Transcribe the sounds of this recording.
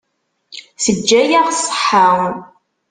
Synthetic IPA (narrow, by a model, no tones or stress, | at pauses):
səd͡ʒːæjæʁsˤə̥ħəʁ